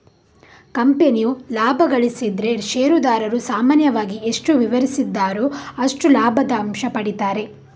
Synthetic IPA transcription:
kɐmpenijulaːbʱɐɡɐɭisid̪ɾe̞ʃeːɾud̪aːɾɐɾusaːmaːnjɐʋaːɡieʂʈuʋiʋɐɾisid̪ːaːɾoːɐʂʈulaːbʱɐd̪ɐːmʃɐpɐɽit̪aːɾe̞

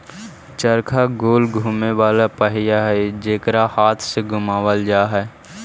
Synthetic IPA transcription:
t͡ʃəɾkʰaɡoːlɡʱuːmeʋaːlapəɦɪjaɦɛd͡ʒeːkɾahaːt̪ʰseɡʱʊmaːʋəld͡ʒaːɦɛ

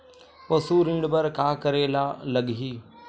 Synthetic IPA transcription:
pɐsuːɾɪ̃ɳɖbɐɾkaːkəɾeːlaːləɡɦiː

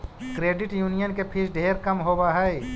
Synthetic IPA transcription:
kɾeːɖɪʈjuːnijənkepʰɪɾɖʱeːɾkɐmɦoːbaɦɛe

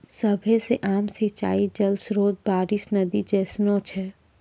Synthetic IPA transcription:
sɐbʱeseʔaːmsit͡ʃa̰ːid͡ʒɐlsɾoːd̪̚baːɾisnɐd̪id͡ʒɛːsnõt͡ʃʰɛː

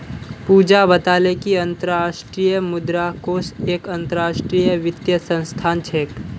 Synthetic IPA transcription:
puːd͡ʒabɐt̪aːlekiɐ̃nt̪əɾaːʃʈɾijəmʊd̪ɾakoːseːkɐ̃nt̪əɾaːʃʈɾiːjəʋɪt̪jəsə̃ñst̪ʰaːnt͡ʃʰeːk

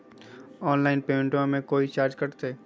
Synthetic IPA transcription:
ɔːnlaːɪnpeːɪ̃ɳʈõmẽkoːit͡ʃaːɾd͡ʒkɐɾt̪eː

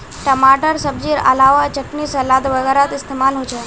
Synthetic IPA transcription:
ʈəmaʈəɾsəb̚d͡ʑiːɾə̰laʋat͡ɕəkniːsəlad̪ʋəɡəɾat̪ist̪emalɦot͡ʃe

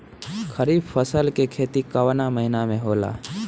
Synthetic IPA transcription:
kʰəɾiːbfəsəlkekʰeːt̪ikəwnaməɦɪnamẽɦoːla̰ː

